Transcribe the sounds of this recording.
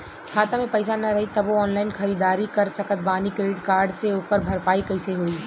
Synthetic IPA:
kʰaːt̪amẽpɐɪsanɐɾɐɦit̪ɐboɔːnlaːɪnxɐɾiːd̪aːɾikɐɾsɐkət̪̚baːnikɾeːɖɪʈkaːɾɖseɦoːkəɾbʱɐɾpaːikɐɪseɦoːiː

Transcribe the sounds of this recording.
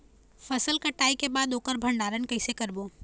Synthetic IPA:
fɐsəlkɐʈaːikebaːd̪oːkəɾbʱəɳɖaːɾənkəɪsekəɾboː

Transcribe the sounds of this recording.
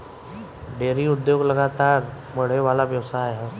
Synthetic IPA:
ɖeːɾiʊd̪joːɡlɐɡaːt̪aːɾ | məɽ̤eʋaːlaʋjəʋsajɦɛ

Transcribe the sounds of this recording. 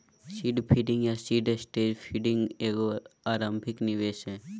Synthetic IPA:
siːɖpʰiːɖɪ̃ŋɡjasiːɖsʈeːd͡ʒpʰiɖɪ̃ŋɡeːɡoaːɾãːmbʱɪknɪʋeːʃɦɛ̃ː

